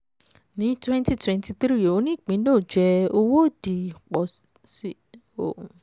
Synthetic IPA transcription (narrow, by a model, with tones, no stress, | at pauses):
nĩ˨˦twɛ̃˦nti˧twɛ̃˧nti˧θɾi˦jo˨o˨˦nĩ˦˨k͡pĩ˨˦do˦˨d͡ʒɛ˧o˧wo˦˨di˨k͡pɔ˨ | si˦ | o˨